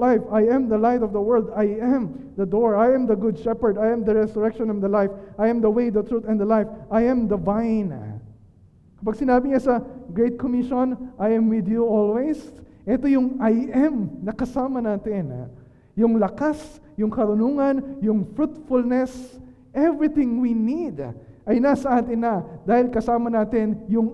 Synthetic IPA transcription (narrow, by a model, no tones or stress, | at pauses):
ajfajɛ̃md̪ɐlajt̪ɔvd̪ɐwɛɹld̪ajʔɛ̃md̪ɐd̪ɔɹajɛ̃md̪ɐɡʊd̪̚ʃɛpəɹd̪ajɛ̃md̪ɐɹɛsʊɹɛkʃɔ̃nɛ̃nd̪ɐlajfʔajɛ̃md̪ɐwejd̪ɐt̪ɹut̪ɛ̃nd̪ɐlajfʔajɛ̃md̪ɐvajn | kɐpɐɡ̚sɪnaːbɪɲasɐɡɹejt̪̚komɪʃõnʔajɛ̃mwɪd̪juɔlwejsʔɛt̪o̞jʊŋʔajʔɛmnɐkɐsaːmɐnaːt̪ɪn | jʊŋlɐkas | jʊŋkɐɾʊnuːŋɐnjʊŋfɹut̪fʊlnɛs | ʔɛvɹɪt̪ɪ̃ŋwinid̪ | ʔɐjnasɐʔaːt̪ɪnːɐd̪aːhɪlkɐsaːmɐnaːt̪ɪnjʊŋ